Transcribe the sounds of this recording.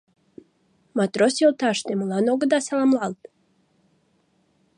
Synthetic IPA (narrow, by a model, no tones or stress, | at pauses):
mat̪ɾosolt̪aʃt̪emlˠanoɡəd̪asalamlˠalˠt̪